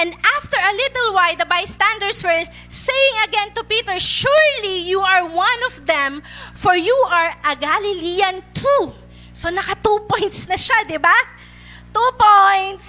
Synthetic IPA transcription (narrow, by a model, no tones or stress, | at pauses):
ʔɛ̃nd̪aft̪ɛɹɐlɪt̪əlwajd̪ɐbajst̪æ̃nd̪əɹdswɛɹ | sejɪ̃ŋɐɡɛ̃nt̪ʊpiːt̪ɛɹʃuɹlijuɐɹwɐ̃nɔvðɛ̃mfɔɹjuʔɐɹʔɐɡalɪliɐ̃nt̪ʰu | sonɐkɐt̪upɔ̃jnt̪snɐʃad̪ɪba | t̪upojnt̪s